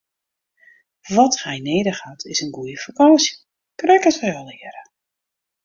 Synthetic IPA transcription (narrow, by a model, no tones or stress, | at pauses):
ʋɔthɛjneːdəxaːtʰɪsənɡujəfakɑnsjə | krɛkətʋɛjɔlˠɪəɾə